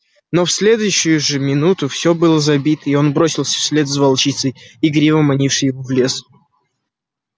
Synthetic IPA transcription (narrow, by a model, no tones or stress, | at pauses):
no̞fsʲlʲe̞d̪ʊjʊɕːʊjʊʐɨmʲɪnut̪ʊfsʲobɨlˠəzɐbʲit̪əio̞nbɾo̞sʲɪlˠsʲə̥fsʲlʲe̞t̪zvɐlˠt͡ɕit̪səjiɡɾʲivəmɐnʲifʂɨjɪvovlʲe̞s